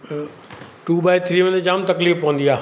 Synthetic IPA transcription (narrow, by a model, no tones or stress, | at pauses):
ʈuːbaːɪt̪ʰɾiːʋɐ̃nd̪d͡ʑaːmt̪ɐkliːfpːɐʋə̃nd̪iaː